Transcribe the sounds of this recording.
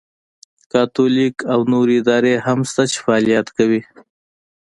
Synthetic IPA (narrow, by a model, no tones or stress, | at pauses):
kɑt̪olikawnoɾeɪd̪ɑɾeɦamst̪at͡ʃe̥faːlijat̪kawi